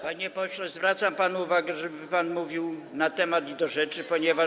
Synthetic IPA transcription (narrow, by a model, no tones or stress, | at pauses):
paɲɛpɔɕlɛzvɾat̪sampanuuvaɡɛʐɛbɘpanmuvʲiw | nat̪ɛmat̪id̪ɔʐɛt͡ʂɘpɔɲɛva